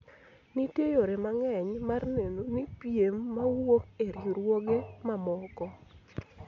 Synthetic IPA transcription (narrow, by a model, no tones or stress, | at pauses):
nitejoɾemaŋɛɲmarnenonipjemːawokeɾjiɾwoɡemamɔkɔ